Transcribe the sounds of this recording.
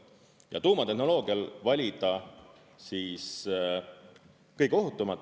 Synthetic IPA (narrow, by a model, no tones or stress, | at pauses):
jɑ̰t̪uːmɑt̪e̞hno̞lo̞ːɡ̥iɑlvɑlʲid̪̥ɑ | siːs | kɤjko̞ɦut̪ːˑumɑt̪ːˑ